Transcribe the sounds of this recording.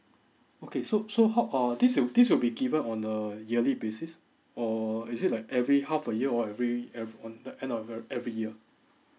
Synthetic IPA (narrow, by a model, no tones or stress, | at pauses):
okʰesosoɦaʊʔʌdiswidiswilbiɡivə̃nɔ̃nəjiəlibesis | ɔisɪt̚laɪkɛvɹihafəjiəɔɛvɹiɛɔ̃ndəʔɛ̃ndɔfɛvɹijiə